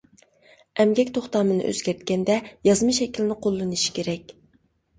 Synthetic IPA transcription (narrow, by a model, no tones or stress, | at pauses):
ɛmɡʲɛkʲt̪ʰoχt̪ɑːmɨnɨ̰ʔø̰zɡʲæɾt̪̚kʲɛnd̪ɛjɑzmɨʃɛkʲilɪnɪqʰolˠːɨnɨʃi̥kʲʰeɾɛkʲ